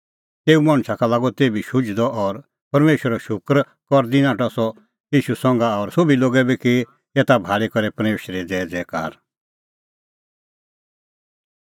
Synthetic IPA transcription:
t̪eːumaɽ̃t͡ʃʰakalaːɡɔt̪eːbiʃʊd͡ʒd̪ɔʔɔɾ | pɐɾmeːʃəɾɔʃʊkɾ | kɔɾd̪inãːʈɔsɔ | jiːʃusɔ̃ŋ̆ɡaɔɾsʊbiloːɡɛbiki | et̪abʱaːɭekɔɾɛpɐɾmeːʃɾɛd͡zɛːd͡zɛːka̰ːɾ

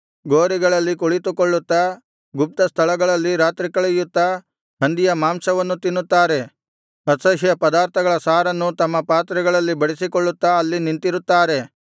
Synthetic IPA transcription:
ɡoːɾiɡɐɭɐlːikuɭit̪ukɔɭːut̪ːɐ | ɡup̚t̪ɐst̪ʰɐɭɐɡɐɭɐlːiɾaːt̪ɾikɐɭejut̪ːɐ | ɦɐnd̪ijɐmaːmsɐʋɐnːut̪inːut̪ːaːɾe̞ | ɐsɐɦjɐpɐd̪aːɾt̪ʰɐɡɐɭɐsaːɾɐnːut̪ɐmːɐpaːt̪ɾɛɡɐɭɐlːibɐɽisikɔɭːut̪ːɐɐlːinint̪iɾut̪ːaːɾe̞

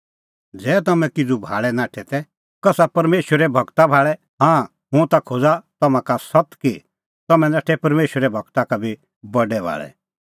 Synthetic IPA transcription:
d͡zɛːt̪̬ɐmɛ̃kɪd͡zubʱa̰ːɭɛnaːʈʰɛt̪ɛ | kɐsapɐɾmeːʃəɾɛbʱɐɡt̪abʱaːɭɛ | ɦãː | ɦʊ̃t̪akʰod͡zat̪ɐmãkasɐt̪ki | t̪ɐmɛ̃naːʈʰɛpɐɾmeːʃwəɾɛbʱɐɡt̪akabʱi | bɐɖɛbʱa̰ːɭɛ̰

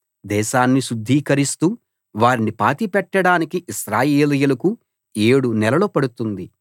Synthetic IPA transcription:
d̪ɛːʃaːnːiʃud̪ʱːiːkɐɾist̪uː | ʋaːɾinipaːt̪ipɛʈːɐɽaːnikiʔiʃɾaːjeːlijulɐku | e̞ːɽunɛlɐloːpɐɽut̪und̪i

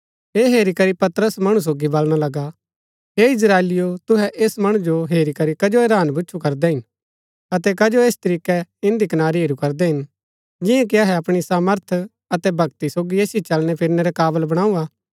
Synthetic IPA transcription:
ɦeːɦeːɾikɐɾipɐt̪ɾəsmɐɽ̃ũs̬oːɡibɐlɽ̃alɐɡa | ɦeːɪs̬ɾaːeːlɪjot̪ʊɦɛʔeːsmɐɽ̃ũd͡ʒoɦeːɾikɐɾikɐd͡ʒoeɾaːnbʊːt͡ʃʰukɐɾd̪ɛɦɪn | ɐt̪ɛkɐd͡ʒoeːst̪ɐɾiːkɛɪ̃nd̪ikɐnaːɾiɦeːɾukɐɾd̪ɛɦɪn | d͡ʒɪ̃jãk̬iɐɦɛɐpɽ̃isaːməɾt̪ʰ | ɐt̪ɛbʱɐɡ̚t̪isoːɡieːsit͡ʃɐlñɛpʰɪɾnɛɾɛkaːbəlbɐɽ̃aːuaː

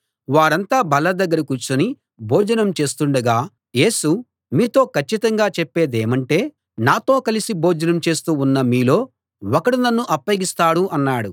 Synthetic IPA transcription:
ʋaːɽɐnt̪aːbɐlɐd̪ɐɡːɐɾɐkuːɾt͡ʃuni | boːd͡ʒɐnɐmt͡ʃe̞ːst̪uɳɖɐɡaː | je̞ːsu | miːt̪o̞ːkʰɐt͡ʃːit̪ɐŋɡaːt͡ʃɛpːe̞ːd̪eːmɐɳʈe̞ː | naːt̪o̞ːkɐlisiboːd͡ʒɐnɐmt͡ʃe̞ːst̪uːunːɐmiːlo̞ː | ɔkɐɽinɐnːuʔɐpːɐɡist̪aːɽuʔɐnːaːɽu

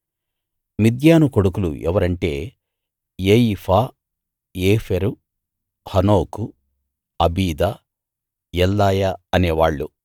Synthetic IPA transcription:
mid̪jaːnukoɽukulṵʔɛ̰ʋɐɾɐɳʈe̞̰ː | jejipʰaː | eːfʰeɾu | hɐnoːku | ɐbiːd̪a | jɛlːaːjaɐneːʋaːɭːu

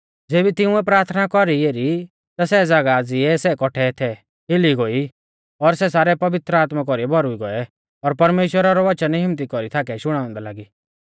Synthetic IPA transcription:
d͡zeːbit̪ɪʊ̃ɛpɾaːɾt̪ʰnakɔɾieːɾi | t̪asɛd͡zaɡad͡ziɛsɛkɔʈʰɛt̪ʰɛ | ɦɪliɡoi | ɔɾsɛsaːɾɛpɐʋɪt̪ɾəaːt̪mak̬ɔɾiɛbʱɔɾuiɡɔɛ | ɔːɾpɐɾmeːʃwəɾaɾɔʋɐt͡ʃənɦɪmt̪̬ikɔɾit̪ʰaːkɛʃʊɽ̃ãːʊ̃nd̪ɛla̰ːɡi

